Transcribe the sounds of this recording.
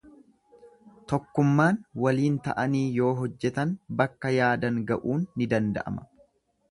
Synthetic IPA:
t̪ɔkːʊmːaːnwɐliːnt̪ɐʔɐniːjo̞ːɦɔd͡ʒːɛt̪ɐnbɐkːɐjaːd̪ɐŋɡɐʔuːnːɪd̪ɐnd̪ɐ̰ʔɐ̰mɐ̥

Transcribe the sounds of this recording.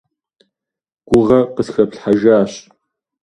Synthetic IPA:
ɡ̥ʷʊʁɐqəsxɐpɬħaʒaːɕ

